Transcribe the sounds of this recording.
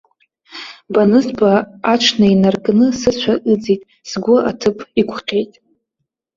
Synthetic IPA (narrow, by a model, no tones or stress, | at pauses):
banɨzbaaʈ͡ʂʰnainarkʼnɨsɨt͡ɕʷʰaʔɨd͡zitʼ | sɡʷʊʔatʰɨpʰʼikʷʰʼqʲejtʼ